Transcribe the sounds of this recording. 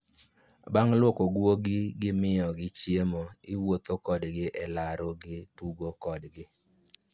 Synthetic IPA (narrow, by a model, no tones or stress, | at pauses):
baŋlwokoɡwoɡɪɡɪmɪjɔɡɪt͡ʃjemoɪwot̪okɔdɡɪʔɛlaɾoɡɪtuɡokɔdɡɪ